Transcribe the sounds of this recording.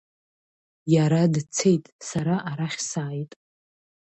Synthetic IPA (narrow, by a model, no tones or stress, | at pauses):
jaɾadt͡sʰe̞jtʼsaɾaʔaɾaχʲsaːjtʼ